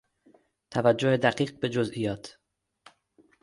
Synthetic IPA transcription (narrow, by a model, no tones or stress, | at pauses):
t̪ʰævæd͡ʒːohed̪æɢiːɢ̚be̞d͡ʒozʔijɒːt̪ʰ